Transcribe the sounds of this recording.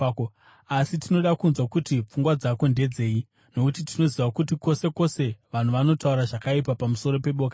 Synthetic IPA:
asitino̞ɗakunzwakutip͡fuŋɡwad͡zako̞nde̞d͡ze̞ːi | no̞kutitino̞ziʋakutiko̞se̞ko̞se̞ʋan̤uʋano̞tauɾaʐakaip̬apamuso̞ɾo̞pe̞ɓo̞ːka

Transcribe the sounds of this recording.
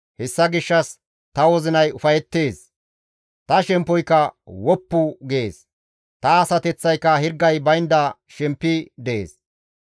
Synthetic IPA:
hɛsːɐɡɪʃːɐs | t̪ɐwɔzɪnɐjʊfɐjɛt̪ːe̞ːs | t̪ɐʃɛmpːɔjkːɐwɔpːʊɡɪeːs | t̪ɐːsɐt̪ɛt͡sːɐjkːɐhɪɾɡːɐjbɐjnd̪ɐʃɛmpːɪd̪ɛʔḛːs

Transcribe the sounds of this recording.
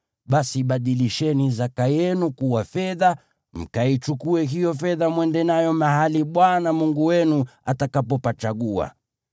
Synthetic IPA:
ɓasiɓaɗiliʃɛnizakajɛnukuwafɛða | m̩kait͡ʃukuɛɦijɔfɛðamwɛndɛnajɔmaɦaliɓwanamuŋɡuwɛnuatakapɔpat͡ʃaɠua̰

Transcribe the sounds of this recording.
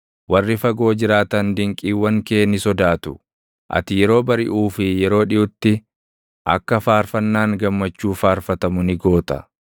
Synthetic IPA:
wɐrːɪfɐɡo̞ːd͡ʒɪɾaːt̪ɐnd̪ɪŋkʼiːwːɐŋke̞ːnɪsɔd̪aːt̪ʊ | ʔɐ̰t̪ɪjɛɾo̞ːbɐɾɪ̰ʔuːfɪjɛɾo̞ːᶑɪʔʊt̪ːɪ | ʔɐ̰kːɐfaːɾfɐnːaːŋɡɐmːɐt͡ʃːuːfaːɾfɐt̪ɐmʊnɪɡo̞ːt̪ɐ̥

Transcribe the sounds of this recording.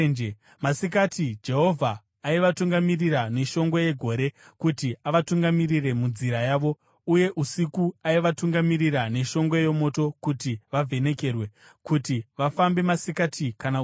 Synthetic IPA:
d͡ʒ | masikatʰid͡ʒe̞ɦo̞vʱaː | iʋatuŋɡamirirane̞ʃo̞ŋɡwe̞je̞ɡʱo̞ɾe̞ | kutiaʋatuŋɡamirire̞mund͡ziɾajaːʋo̞ | uje̞ʔusikuaiʋatuŋɡamiriɾane̞ʃo̞ŋɡwe̞jo̞mo̞to̞kutiʋavʱe̞ne̞ke̞rwe̞ | kutiʋafambe̞masikatʰikana

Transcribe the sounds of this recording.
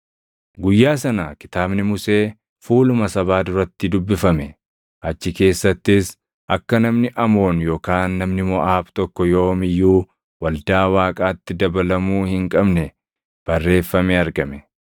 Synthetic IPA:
ɡʊjːaːs̬ɐnaːkɪ̥t̪aːbnɪmʊse̞ː | fuːlʊmɐsɐβaːd̪ʊɾɐt̪ːɪd̪ʊbːɪfɐmɛ | ʔɐt͡ʃːɪke̞ːsːɐt̪ːɪs | ʔɐkːɐnɐmnɪʔɐmo̞ːnjo̞ːkaːnːɐmnɪmɔʔaːbt̪ɔkːɔjo̞ːmɪjːuː | wɐld̪aːwaːkʼaːt̪ːɪd̪ɐbɐlɐmuːhɪŋkʼɐbnɛ | b̥ɐrːe̞ːfːɐmɛɐɾɡɐmɛ

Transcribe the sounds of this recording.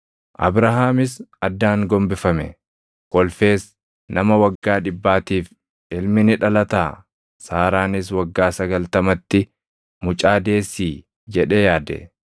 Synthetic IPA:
ʔɐ̰bɾɐɦaːmɪsɐd̪ːaːŋɡɔmbɪfɐmɛ̰ | kɔlfe̞ːs | nɐmɐwɐɡːaːᶑɪbːaːt̪iːf | ʔɪlmɪnɪᶑɐlɐt̪aː | saːɾaːnɪs̬wɐɡːaːsɐɡɐlt̪ɐmɐt̪ːɪ | mʊt͡ʃʼaːd̪e̞ːsːiː | d͡ʒɛᶑeːjaːd̪ɛ̰

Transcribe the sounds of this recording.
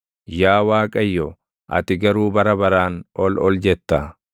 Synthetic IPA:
jaːwaːkʼɐjːɔ | ʔɐ̰t̪ɪɡɐɾuːbɐɾɐbɐɾaːnɔlɔld͡ʒɛt̪ːɐ

